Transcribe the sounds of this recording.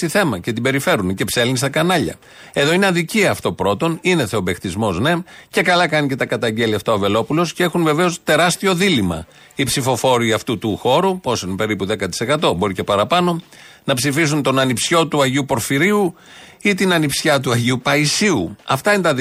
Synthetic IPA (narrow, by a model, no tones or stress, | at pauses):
iθe̞mɐce̞t̪̬ibe̞ɾife̞ɾunce̞pse̞lnist̪ɐkɐnɐʎɐ̰ | e̞ðo̞ineɐðiciɐft̪o̞pɾo̞t̪o̞nine̞θe̞o̞bext̪izmo̞zne̞mce̞kɐlɐkɐnice̞t̪ɐkɐt̪ɐɲɟe̞liɐft̪ɐove̞lo̞pulo̞scee̞xunve̞ve̞o̞st̪e̞ɾɐst̪io̞ðilimɐ̰ | ipsifo̞fo̞ɾiɐft̪ut̪uxo̞ɾuposinpe̞ɾipuðe̞kɐt̪i̥se̞kɐt̪o̞bo̞ɾice̞pɐɾɐpɐno̞ | nɐpsifis̬unt̪o̞nɐnipsço̞t̪uɐʝiupo̞ɾfiɾiu | it̪inɐnipsçɐt̪̬uɐʝiupɐisiuɐ̰ft̪ɐinet̪ɐ